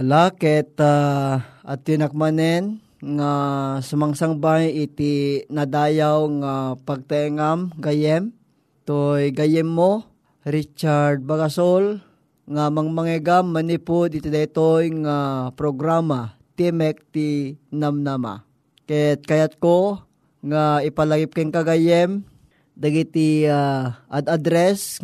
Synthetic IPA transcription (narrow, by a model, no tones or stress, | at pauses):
lakɛt̪a | at̪inak̚manɛn | ŋasamaŋsaŋbajɪt̪inad̪aːjawŋapaɡ̚t̪aɛŋamɡajɛm | t̪ojɡajɛmːo | ɾit͡ʃaɾd̪̚baɡasol | ŋamaŋmaŋɛɡamːanipʊd̪ɪt̪ɪd̪ajt̪ojŋapɾoɡɾamat̪ɛmɛk̚t̪inamnama̰ | kajat̪̚kajat̪̚ko | ŋaɪpalaɡɪp̚kaŋkaɡajɛm | d̪aɡit̪iaʔad̪ad̪ɾɛs